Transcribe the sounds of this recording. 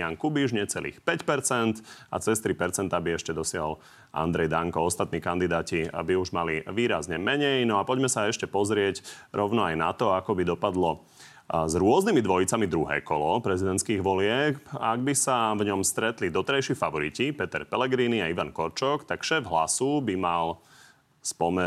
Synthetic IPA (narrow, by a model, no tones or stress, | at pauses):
aŋkubiʒɲɛt͡sɛlḭːxpɛcpɛɾt͡sɛnt̪a̰t͡sɛst̪ɾipɛɾt͡sɛnt̪abiɛʃcɛd̪ɔsɪaɦɔ̰l | ʔa̰nd̪ɾɛjd̪aŋkɔɔst̪at̪̚niːkand̪id̪aːcibiuʒmaliʋiːɾazɲɛmɛɲɛjnɔapɔɟmɛsaɛʃcɛpɔzɾɪɛɟɾʔɔʊnɔajna̰t̪ɔakɔbid̪ɔpad̪lɔ | zɾʊɔznimid̪ʋɔjit͡samid̪ɾuɦɛ̰ːkɔlɔpɾɛzid̪ɛnt̪skiːɣʋɔlɪɛkaɡ̚bisavɲɔmst̪ɾɛt̪lid̪ɔt̪ɛɾajʃifaʋɔɾicipɛt̪ɛɾpɛlɛɡɾiːniaiʋankɔɾt͡ʃɔkt̪akʃɛːvɦlasubimal | spɔmɛ